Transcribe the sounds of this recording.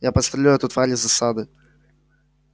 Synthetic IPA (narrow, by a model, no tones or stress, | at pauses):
japɐst̪ɾɐlʲaɛt̪ʊt̪valʲɪzɐsad̪ɨ